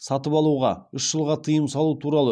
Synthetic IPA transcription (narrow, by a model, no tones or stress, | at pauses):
sɑt̪əpɑlˠuʁɑ̰ʏʃʒəlˠʁɑt̪ʰəjəmsɑlˠut̪ʰuɾɑlˠə